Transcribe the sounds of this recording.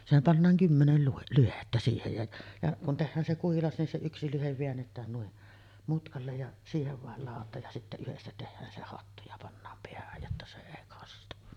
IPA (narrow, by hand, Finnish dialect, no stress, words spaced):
sehæm pɑnːɑːŋ kymːenel luhe lyhetːæ siːhej jɑ jɑ kun tehːæːn se kuhilɑs nin se yksi lyheʋ ʋeænːetˑæːn nuiʔ mutkɑlːej jɑ siːheʋ ʋɑˑel lɑˑotˑɑːj jɑ sitːæ yhestæ tehːæːn se hɑtːu jɑ pɑnːɑːm peæhæj jotːɑ se eˑi kɑstu